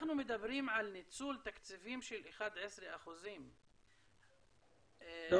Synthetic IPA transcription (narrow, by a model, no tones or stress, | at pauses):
aħnumɪd̪abːɪɾiːmʕalnɪt͡suːlt̪akt͡sifiːmʃɪlʔɪxaːd̪ʕɪsɾiʔaxʊziːm